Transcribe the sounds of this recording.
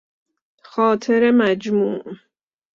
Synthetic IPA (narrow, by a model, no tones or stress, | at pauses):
xɒːt̪ʰeɾemæd͡ʒmuːʔ